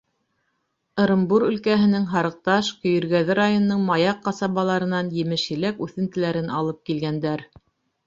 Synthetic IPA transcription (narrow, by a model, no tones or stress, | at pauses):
ɤ̆ɾɤ̆mbuɾɵ̆lkæɦɘ̆nɘŋɦɑɾɤ̆q̚t̪ɑʃkɵ̆jɵ̆ɾɡæðɘɾajonːɤɴmɑjɑqːɑsɑβɑlˠɑɾɤ̆nɑnjɘ̆mɘʃjɘ̆lækʉθɘ̆nt̪ɘ̆læɾɘnʔɑlˠɤp̚kilɡænd̪æɾ